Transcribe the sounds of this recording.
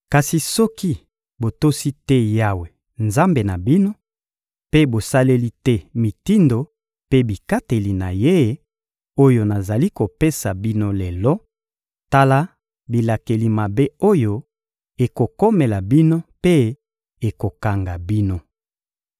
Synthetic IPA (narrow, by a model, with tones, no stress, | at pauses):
ka˨si˨sɔ˦ki˦ | bo˨to˦si˦tɛ˦ja˦we˨ | nza˦mbe˨na˨bi˦no˦ | pe˦bo˨sa˦le˦li˦tɛ˦mi˨ti˦ndo˨ | pe˦bi˨ka˦te˨li˨na̰˨je˦ | o˦jo˦na˨za˨li˦ko˨pe˦sa˨bi˦no˦le˨lɔ˦ | ta˦la˦ | bi˨la˨ke˨li˨ma˨be˦o˦jo˦ | e˨ko˨ko˦me˨la˨bi˦no˦pe˦ | e˨ko˨ka˨ŋɡa˨bi˦no˦